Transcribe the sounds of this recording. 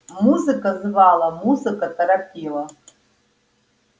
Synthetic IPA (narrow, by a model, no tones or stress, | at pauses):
muzɨkʼazvalˠɐmuzɨkʼatʼɐɾapʲʼʰilˠa